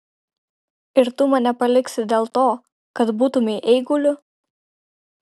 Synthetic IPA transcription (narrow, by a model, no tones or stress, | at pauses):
ɪɾt̪ʊmɐnʲɛpɐlʲɪksʲɪd̪ʲeːlˠt̪oː | kɐt̪buːt̪ʊmʲɛʔɛɪɡʊlʲʊ